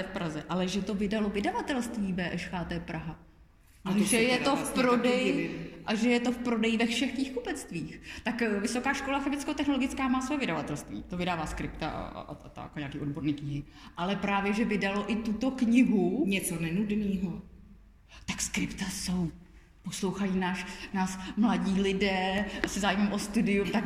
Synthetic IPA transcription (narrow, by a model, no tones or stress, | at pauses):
ɛfpɾazɛʔalɛʒɛt̪o̞vɪdalo̞vɪdavat̪ɛlst̪viːbɛːʔɛʃxaːt̪ɛːpɾaɦa | ʔaʒɛjɛt̪ofpɾo̞dɛjʔaʒɛjɛt̪o̞fpɾodɛjɪvɛfʃɛxkɲiːxkupɛt͡st̪viːxt̪akvɪso̞kaːʃko̞laxɛmɪt͡skɛt̪ɛxno̞lo̞ɡɪt͡skaːmaːsvojɛvɪdavat̪ɛlst̪vḭːt̪o̞vɪdaːvaːskɾɪpt̪a̰ʔt̪a̰koɲaːkiːo̞dbo̞ɾniːkɲɪɦɪ | ʔalɛpɾaːvjɛʒɛvɪdalo̞ʔɪt̪ut̪o̞kɲɪɦuɲɛt͡sonɛnudniːɦo | t̪akskɾɪpt̪aso̞w | poslo̞wxajiːnaːʃnaːsmlaɟiːlɪdɛːsɛzaːjɪmɛmʔost̪udɪumt̪ak